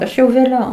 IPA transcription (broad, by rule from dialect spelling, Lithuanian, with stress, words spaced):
ˈɐʃ jɛʊ ʋʲeːˈlʲɛʊ